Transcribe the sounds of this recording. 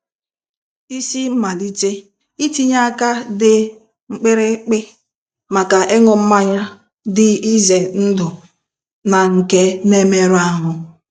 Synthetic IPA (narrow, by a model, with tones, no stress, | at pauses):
i˦si˦m̩˦ma˨di˦te˦ | i˦ti˦ɲa˦ka˦dɪ˦ | ŋ͡m̩˦k͡pɪ˦ɾɪ˦k͡pɪ˦ | ma˨ka˨ʔe˦ŋʊ˨m̩˦ma˦ɲa˦ | dɪ˦i˦ze˨n̩˦dʊ˨ | na˨ŋ̩˨ke˦ne˦me˦ɾa˦ɦʊ˨